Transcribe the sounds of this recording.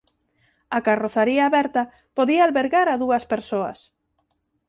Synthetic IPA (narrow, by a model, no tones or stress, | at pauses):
ɐkaroθaɾiaːβɛɾt̪ɐ | poðiaːlβeɾɣaɾaðuɐspeɾsoɐ̰s